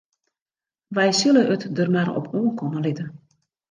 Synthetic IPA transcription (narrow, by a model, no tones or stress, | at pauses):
ʋɛjsøləʔətdərmarɔ̰pʰoːənkʰɔnəlɪtən